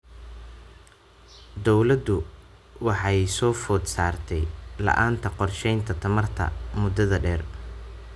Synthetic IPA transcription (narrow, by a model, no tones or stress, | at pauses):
d̪ɔwlɐd̪ʊ | wɑħɑjsɔːfɔːd̪saːrt̪ʰɛjlɐ̰ʔaːnt̪ʰɐqɔrʃɛjnt̪ʰɐt̪ʰɐmɐrt̪ʰɐ̰mʊd̪ɐðɐɖɛːr